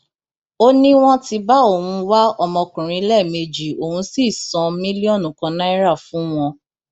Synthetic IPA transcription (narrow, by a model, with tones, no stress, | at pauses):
o˦nĩ˦w̃ɔ̃˦ti˧ba˦o˦˨wũ˧wa˦ɔ˧mɔ̃˧kũ˨ɾ̃ĩ˨˧˦lɛ˦˨me˧d͡ʒi˨o˨hũ˧si˦˨sɔ̃˨mĩ˦li˦ɔ˦˨nũ˨kɔ̃˧nã˦i˦ɾa˦˨fũ˦w̃ɔ̃˧